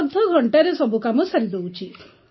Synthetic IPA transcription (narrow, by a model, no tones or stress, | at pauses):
d̪ʱːɔɡʱɔɳʈaɾesɔbukamɔsaɾid̪ewt͡ʃʰi